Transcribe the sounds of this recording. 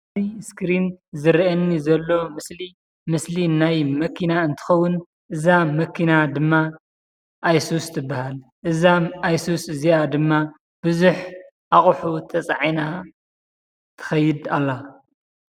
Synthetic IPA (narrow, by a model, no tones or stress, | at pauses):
ziskɾinzɨɾʔɐnːizɐlːo̞mɨsli | mɨslinajmɐkʰinaɨnt̪ʰɨ̥xɐwːʊn | ʔɨzamɐkʰːinad̪ɨmːa | ʔajsust̪ʰɨbːahal | ʔɨzaajsusɨziad̪ɨmːa | b̥ɨzuħ | ʔaχʼħut̪ʰɐt͡sʼaʕijna | t̪ʰɐ̥xɐjːɪd̪alːa